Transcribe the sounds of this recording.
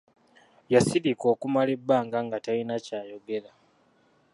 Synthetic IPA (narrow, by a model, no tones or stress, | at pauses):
jasiðiko̞ːkumalebːaːŋɡaŋɡatainacaːjo̞ɡeɾa